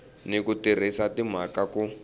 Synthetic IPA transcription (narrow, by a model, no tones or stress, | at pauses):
nikutir̤isatim̤akaku